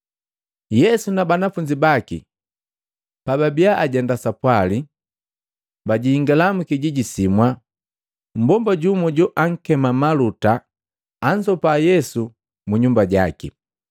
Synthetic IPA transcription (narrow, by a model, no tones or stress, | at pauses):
jɛsunabanafuɲd͡ʒibakḭ | pababiaʔaɟɛndasapwali | baɟiːŋɡalamukiɟiɟisimwa | m̩bɔmbaɟumɔɟɔʔaŋ̩kɛmamalutaː | ɲd͡ʒɔpajɛsu | muɲumbaɟakḭ